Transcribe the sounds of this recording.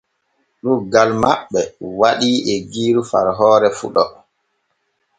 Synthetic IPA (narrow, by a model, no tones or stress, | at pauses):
ɗuɡalmaɓːɛwaɗiːʔɛɡiːɾufaɾɦɔːɾɛfṵɗɔ